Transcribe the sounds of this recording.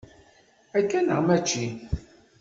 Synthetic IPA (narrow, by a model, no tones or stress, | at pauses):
ækːænə̰ʁmæt͡ʃːi